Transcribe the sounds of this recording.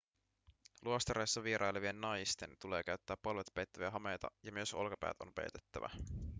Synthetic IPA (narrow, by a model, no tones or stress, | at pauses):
luost̪ɑɾejsːɑʋieɾʔɑjleʋie̞nːɑjst̪e̞nt̪ule̞ːkæɥt̪ːæːpːolʋet̪pejt̪ːæʋiæɦɑme̞jt̪ɑ̰jɑmyøso̞̰lkɑpæ̰ːt̪o̞̰mpḛjt̪e̥t̪ːæ̰ʋæ̰